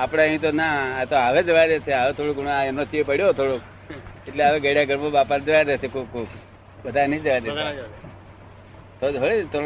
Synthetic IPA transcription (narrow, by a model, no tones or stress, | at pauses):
apɽaɦĩt̪onaːt̪oɦaʋed͡ʒəʋajd̪esʰeaʋet̪ʰoɽoknaenot͡ʃipəɽjot̪ʰoɽok̚ | eʈleaʋeɡəɽijaɡʱəɾmãbapand͡ʒəʋajd̪esekukːuːk | bəd̪ʱanəĩd͡ʒəʋad̪ea | t̪ʰoɦoɭet̪ʰo